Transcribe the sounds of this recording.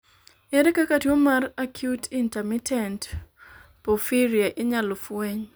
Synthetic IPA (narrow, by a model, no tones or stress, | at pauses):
ɛɾɛkakatiomarakʰjutintɛmitɛnt | pofiɾiaʔɪɲalɔfweɲ